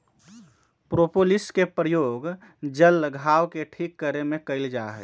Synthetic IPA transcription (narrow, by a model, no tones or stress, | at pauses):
pɾopolɪskepɾəjoːɡ | d͡ʒəlɡʱaːwkeʈʰikːəɾemẽkəɪld͡ʒaɦɛ